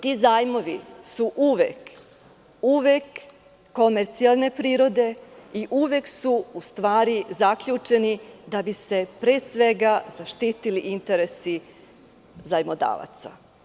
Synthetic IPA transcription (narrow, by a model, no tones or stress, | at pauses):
t̪izaːjmo̞ʋḭsuʔuʋek | uʋekː | o̞meɾt̪sialˠne̞pɾiːɾo̞d̪e̞iʔuʋe̞ksuust̪ʋaːɾizakʎuːt͡ʃe̞nid̪abise̞pɾe̞ːsʋe̞ɡaz̥aʃt̪iːt̪iliʔint̪e̞ɾe̞si | zajmod̪a̰ːʋa̰t̪sa̰